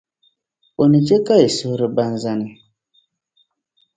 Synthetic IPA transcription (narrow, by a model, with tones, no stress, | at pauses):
o˨ni˨d͡ʒe˦ka˦i˨su˦ɾi˦ba˦n˦za˦ni˨